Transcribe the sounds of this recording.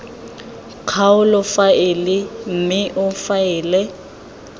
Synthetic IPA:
kʰaʊlɔfaɪlɪm̩mɪʔʊfaɪːlɛ

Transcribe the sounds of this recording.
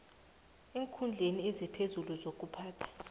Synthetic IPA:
eːŋkʰund͡ɮʱeniezipʰezuluzok̬ʼupʰaːtʰḁ

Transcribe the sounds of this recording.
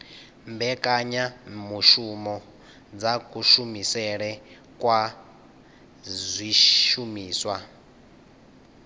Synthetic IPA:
mbɛkʼaɲamuʃumɔ | d͡zakʼuʃumisɛɺɛ | kʼwa | zʷiʃumiːswa

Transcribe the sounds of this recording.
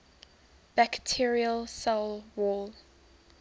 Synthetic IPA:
b̥æktʰiɹiəlsalwɔl

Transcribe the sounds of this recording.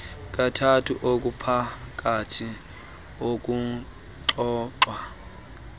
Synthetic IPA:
k̬ʼatʰatʰṵʔok̬ʼupʰak̬ʼatʰi | ok̬ʼu | ǃɔːǁwa

